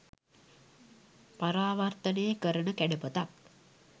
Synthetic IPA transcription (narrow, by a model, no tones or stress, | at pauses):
paɾaːʋart̪ənejəkəɾənəkæɖəpət̪ak